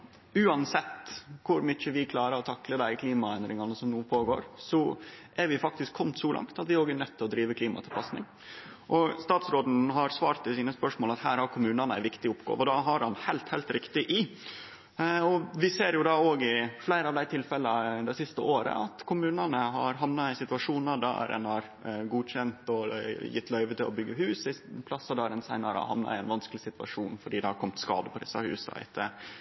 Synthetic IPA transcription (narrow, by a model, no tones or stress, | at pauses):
ʉːɑnsɛt̪ːkʰʊɾmyçəʋɪkʰlɑːɾəɾɔt̪ʰɑkləd̪æɪkʰliːmɑɛnd̪ɾɪŋɑnəsɔmnuːpʰoːɡo̰ːɾsɔʔæɾʋɪfɑk̚t̪ɪskʰɔmt̪sɔlɑ̰ŋt̪ɑt̪ʋɪɾoːɡæɾnœt̪ʰːɪlɔd̪ɾiːʋəkʰliːmɑt̪ʰɪlpɑsnɪ̰ŋ | ʔɔst̪ɑːt̪sɾoːd̪n̩ɦɑɾsʋɑːɾt̪ʰːɪlsiːnəspœʂmoːlɑt̪hæːɾhɑɾkʰʊmʉːnɑnəæ̰ɪʋɪkt̪ɪʊpɡo̰ːʋɔd̪ɑɦɑɾhɑnhæɪlt̪hæɪlt̪ɾɪkt̪ɪʔɪ | ɔʋɪseːɾjʊd̪ɑːoːɡɪflæɪɾəɑʋd̪æɪt̪ʰɪlfɛlːəɑd̪ɛsɪst̪əʔoːɾə̰ɑt̪kʰʊmʉːnɑnəɦɑɾɦɑmnɑæɪsɪt̪ʉʋɑʂuːnəɾd̪ɑ̰ɾdɛ̰nɑɾ | ɡuːçɛnt̪ɔjɪ̰t̪ːlœʏʋət̪ɪlɔbʏɡːəhʉːsɪspʰlɑsəd̪ɑɾɛnsæɪnɑɾɑ̰hɑ̰ʋnɑ̰ɪænʋɑnskəlɪsɪt̪ʋɑ̰ʂuːnfɔɖiːd̪ɛɑɾkʰɔmt̪skɑ̰ːd̪əpʰɔd̪ɪ̰sːɑ̰hʉ̰ːsɑ̰ɪ̰t̪ʰːə